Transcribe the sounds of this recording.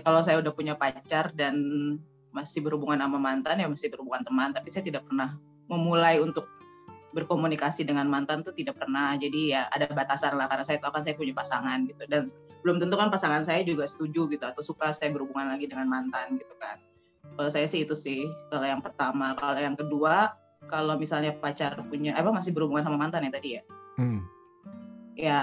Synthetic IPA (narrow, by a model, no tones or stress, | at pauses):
kalaws̬ajaudahpuɲapat͡ʃardan | masɪhbəɾhubuŋanamamant̪anjamasɪhbəɾhubuŋant̪əmant̪apisajat̪idak̚pərnah | məmulajunt̪ʊk̚ | bərkomunikasidəŋanmant̪ant̪ut̪idak̚pərnahd͡ʒadijaa̰dabat̪asanlahkarnasajat̪aukansajapuɲapasaŋanɡit̪udan | bəlʊmt̪ənt̪ukanpasaŋansajad͡ʒuɡasə̥t̪ud͡ʒuɡit̪uat̪awsukasajabəɾhubuŋanlaɡidəŋanmant̪anɡit̪u̥ka̰n | kalosajasɪhit̪usɪhkalojaŋpərt̪amakalojaŋkədua | kalowmisalɲapat͡ʃaɾapuɲaʔapamas̬ɪhbəɾhubuŋansamamant̪anjat̪adija | ja